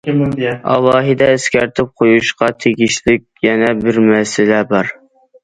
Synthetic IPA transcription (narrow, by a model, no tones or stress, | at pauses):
mɑ̰lˠːɑːɦɨd̪ɛɪskʲæɾt̪ʰɪp̚qʰojuʃqɑt̪ʰeɡʲiʃlɪkʲjɛnɛbɪɾmɛsɪlɛbɑɾ